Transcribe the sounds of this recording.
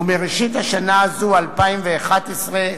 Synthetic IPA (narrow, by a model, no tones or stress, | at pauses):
umeʁeʃit̪haʃanaːzualpaimveaχatesʁe